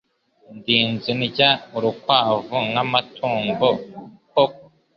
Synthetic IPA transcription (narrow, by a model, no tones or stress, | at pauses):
ndiːnziniɟauɾukwaːvuŋamatʰuːŋɡokok